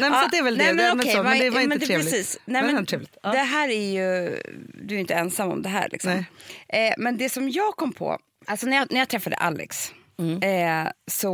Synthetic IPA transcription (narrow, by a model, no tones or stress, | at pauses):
nɛmad̪ɛːɾvɛlnɛmɛnɔɛvad̪ɛvaɾɪnmɛnd̪ɾeːɾlɪsiːsnɛmɛnʰɾeːvlɪt̪d̪ɛɦæːɾæɾjɵ | d̪ɵæɾjɪnt̪əɛnsamːɔ̰md̪ɛɦæ̰ːɾɭʔɪ̰ksɔmː | mɛnd̪ɛsɔmjɑːɡkʰɔmːpʰɔ̰ | alsɔnæɾjɑnæɾjɑːt̪ʰɾɛfːad̪ə̰ʔa̰lːɛ̰ks | sɔ